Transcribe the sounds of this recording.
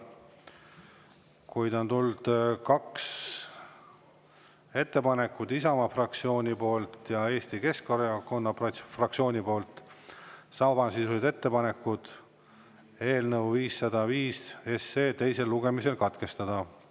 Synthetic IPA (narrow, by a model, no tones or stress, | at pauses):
kujd̪ont̪uld̪̥kɑks | e̞t̪ˑːe̞pɑne̞kːˑud̪isɑmɑfrɑk̚t̪sio̞ːnʲipo̞ːlt̪jɑe̞ːst̪ike̞skoɾjɑko̞nːɑɑfrɑk̚sio̞ːnʲipo̞ːlt̪ːˑ | sɑbɑnsisused̪̥e̞t̪ːe̞pɑne̞kːˑud̪̥ | e̞ːlnɤwviːsːɑd̪̥ɑviːsesːeːt̪e̞jse̞lːuɡ̥e̞mise̞lkɑt̪ke̞st̪ɑd̪̥ɑ